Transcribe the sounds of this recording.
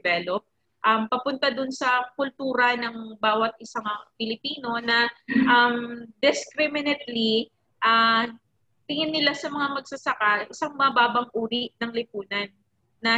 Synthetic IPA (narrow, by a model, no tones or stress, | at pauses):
vɛːlop̚ | ʔɐmpɐpʊnt̪ad̪ʊnsɐkʊlt̪uːɾɐnɐŋbaːwɐt̪̚ʔɪsaŋpɪlɪpiːno̞nɐʔamd̪ɪskɾɪmɪnɛt̪̚li | ʔa | t̪ɪŋɪnːɪlasɐmɐŋamɐɡsɐsɐkaʔɪsaŋmɐɐbaːbɐŋʔuːɾiʔnɐŋlɪpuːnɐnː | ɐ